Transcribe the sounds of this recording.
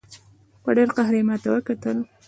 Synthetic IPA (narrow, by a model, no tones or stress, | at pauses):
pəɖeɾqaɦɾimɑt̪awəkat̪əl